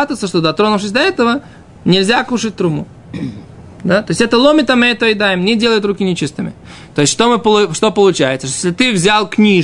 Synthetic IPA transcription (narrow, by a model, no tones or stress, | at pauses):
at̪ət̪səʂt̪od̪ɐt̪ɾo̞nʊfʂ̬ɨsʲd̪ɐɛt̪əvə | nʲɪlʲzʲakuʂɨt̚ʲt̪ɾumu | d̪at̪o̞ɪsʲɛt̪əlˠomʲɪt̪əmɨɛt̪əɪd̪ajɪmnʲɪdʲelˠəjʊt̪ɾukʲɪnʲɪt͡ɕist̪ɨmʲɪ̰ | t̪o̞jɪsʲʂt̪omɨpəʊʂt̪o̞pəlˠʊt͡ɕæ̰jɪt̪səʂt̪ojesʲlʲɪt̪ɨvzʲalˠknʲi